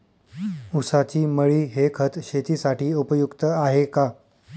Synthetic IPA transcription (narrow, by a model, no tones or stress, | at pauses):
usat͡ɕiːməɭiːɦekʰət̪ɕet̪iːsaʈiːupəjukt̪əaɦeka